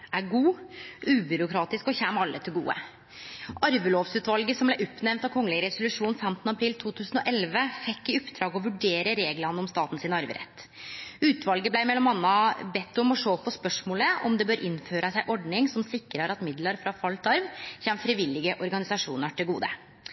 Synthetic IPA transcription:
æɾɡuːʔʉːbʏɾʊkʰɾɑːt̪ɪskɔçɛːmɑlːət̪ʰɪlɡṵːə̰ | ʔɑɾʋəloːʋsʉːt̪ʋɑlɡəsɔmblæɪɔpːnɛʋnt̪ɑʋkʰɔŋːlɪɾɛsʊlʉʂuːnfɛmt̪nəɑpʰɾiːlt̪ʰuːt̪ʰʉːsn̩ɔʔɛlʋəfɛkːɪɔpd̪ɾɑːɡɔʋʉɖeːɾəɾeːɡlɑnəɔmst̪ɑːt̪n̩sɪnɑɾʋə̰ɾɛ̰t̪ː | ʉːt̪ʋɑlɡəblæɪmɛlːɔmɑnːɑbɛt̪ːʊmɔʂoːpʰɔspœʂmoːləʔɔ̰md̪ɛbøːɾʔɪnːføːɾəsæɪʔɔɖɳɪŋsɔmsɪkːɾəɾɑt̪mɪd̪ləɾfɾɑfɑlt̪ʰɑɾʋçɛːmfɾɪʋɪlɪɡəʔɔɾɡɑnɪsɑʂṵːnəʈʰɪlɡṵːd̪ə̰

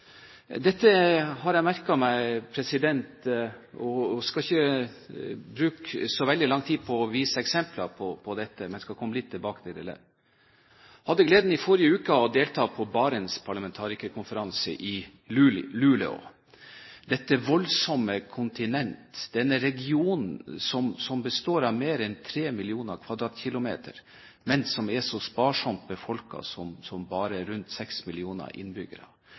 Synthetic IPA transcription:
d̪ɛt̪ːəhɑɾjæmæɾkɑmæɪpʰɾɛsɪd̪ɛnt̪ɔskɑɪçːə | bɾʉːksɔʋɛld̪ɪlɑŋt̪ʰiːd̪pʰɔɔʋiːsəɛksɛmplɑpʰɔpʰɔd̪ɛt̪ːəmɛnskɑkʰɔmːəlɪt̪ʰːɪlbɑːkət̪ʰɪlɪ̰lə̰ | hɑd̪ːəɡleːd̪n̩ɪfɔɾɪəʉːkəɔd̪eːlt̪ʰɑːpʰɔbɑːɾənspʰɑɭɑmɛnt̪ʰɑːɾɪkəkʰʊnfəɾɑnsəʔɪ | ʉlʉlə̰o̰ | d̪ɛt̪ːəʋɔlsɔmːəkʰʊnt̪ɪnɛnt̪d̪ɛnːəɾɛɡɪuːn̩sɔmsɔmbəst̪oːɾɑʋmeːɾɛnt̪ʰɾeːmɪlɪuːnəɾkʰʋɑd̪ɾɑːt̪çɪlʊmḛːt̪ʰə̰ɾ | mɛnsɔmɛsɔspɑːʂɔmt̪̚bəfɔlkɑ̰sɔmsɔmbɑːɾəɾʉnt̪sɛksmɪlɪuːnə̰ʔɪ̰nbʏɡə̰ɾɑ̰

